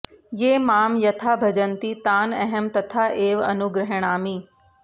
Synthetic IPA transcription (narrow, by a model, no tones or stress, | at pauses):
jeːmaːmjɐt̪ʰabʱɐd͡ʒənt̪it̪aːnɐɦəmt̪ɐt̪ʰaʔeːʋɐ̰nʊɡɾəɦəɽ̃aːmĩː